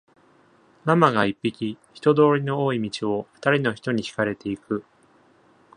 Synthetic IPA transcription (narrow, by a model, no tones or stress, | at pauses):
namaɡaipʲːikʲiçi̥t̪o̞d̪o̞ːɾʲino̞oːimʲit͡ɕio̞ɸɯ̥t̪aɾʲino̞çi̥t̪o̞ɲ̟içi̥kaɾe̞t̪e̞ikɯ̟